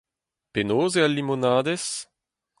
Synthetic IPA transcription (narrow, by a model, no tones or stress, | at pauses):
penoːzealːimonaːd̪es